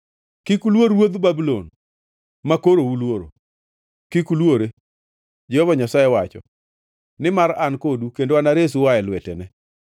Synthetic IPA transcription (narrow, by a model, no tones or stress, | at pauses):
kikulwoɾwod̪babilon | makoɾoulwoɾo̰ | kikulwoɾe | d͡ʒɛhɔvaɲasaɛwat͡ʃɔ̰ | nɪmaɾankodukendoanaɾes̬uwaɛlwɛtɛnɛ